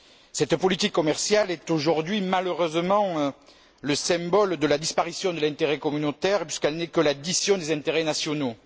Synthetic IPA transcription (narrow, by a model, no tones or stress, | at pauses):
sɛt̪pɔlit̪ikːɔmɛʁsjalɛt̪oʒuʁd̪ɥimaløʁøzəmɑ̃ø | ləsɛ̃bɔld̪əlad̪ispaʁisjɔ̃d̪əlɛ̃t̪eʁɛkɔmynot̪ɛʁpɥiskɛlnɛkəlad̪isjɔ̃d̪ezɛ̃t̪eʁenasjɔno